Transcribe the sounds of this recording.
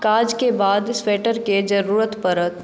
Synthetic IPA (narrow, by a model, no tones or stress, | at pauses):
kaːd͡ʒkebaːd̪ɪsʋeːʈəɾked͡ʒɐɾuːɾət̪pəɾət̪